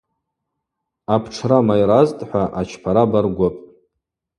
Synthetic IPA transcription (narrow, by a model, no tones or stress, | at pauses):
apʰʈ͡ʂʰramajɾaztʼħʷaʔat͡ʃʰpʰaɾabarɡʷapʼ